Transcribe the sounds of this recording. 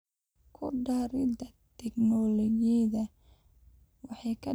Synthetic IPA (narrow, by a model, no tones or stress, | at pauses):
kʰʊ̰ɖaɾɪdɐt̪ʰɛɡnɔlɛjɛðɐ | wɑħɑjkʰɐ